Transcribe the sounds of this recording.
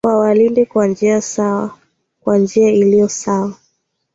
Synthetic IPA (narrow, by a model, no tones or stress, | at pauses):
kwawalindɛkwand͡ʒiasaa | kwand͡ʒiailijɔsawa